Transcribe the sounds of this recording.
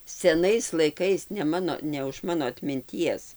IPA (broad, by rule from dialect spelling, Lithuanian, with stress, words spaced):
sʲɛˈnɐɪs lˠɐɪˈkɐɪs nʲɛ ˈmɑːnoː nʲɛ ʊʃ ˈmɑːnoː ɐtʲmʲɪnʲˈtʲiɛs